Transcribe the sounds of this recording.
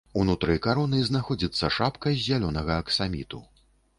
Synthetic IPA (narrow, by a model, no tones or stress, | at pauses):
unut̪ɾɨjkaɾɔnɨznaxɔd͡zʲit̪sːɐʂapkɐzʲːalʲɔnɐɣɐːksamʲit̪u